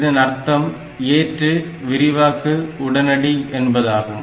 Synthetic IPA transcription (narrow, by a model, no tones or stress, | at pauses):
ðɯnɐɾt̪ːɐm | eːʈrɯ | ʋɪɾɪʋaːkːɯʊɽɐnɐɽiʔɛnbɐðaːɣɯm